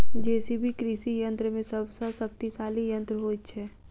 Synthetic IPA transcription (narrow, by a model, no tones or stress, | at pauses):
d͡ʒɛːsibʱikɾisijə̃nt̪ɾəmẽsəbʱsəsək̚t̪isaːlijə̃nt̪ɾəɦot̪t͡ʃʰɛː